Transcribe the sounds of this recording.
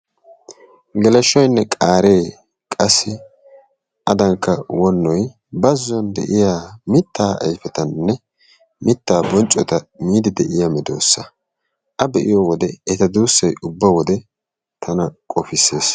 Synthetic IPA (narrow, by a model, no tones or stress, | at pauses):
ɡɛlɛʃːɔjnːɛkʼaːɾe̞ː | kʼɐsːɪ | ʔɐd̪ɐŋkːɐwɔnːɔj | bɐzːɔnd̪ɛ̰ʔɪjaːmɪt̪ːaːʔɐjfɛt̪ɐnːɛ | mɪt̪ːaːbɔnt͡ʃʼːɔt̪ɐmiːd̪ɪd̪ɛʔɪjamɪd̪o̞̰ːsːɐ | ʔɐbɛʔɪ̰jɔwɔd̪ɛɛt̪ɐd̪uːsːɐjʊbːɐwɔd̪ɛ | t̪ʰɐnɐkʼɔfɪsːe̞ːs